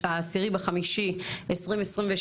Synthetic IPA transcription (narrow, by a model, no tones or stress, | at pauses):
aːsiʁibaχamiʃiesʁimesʁimve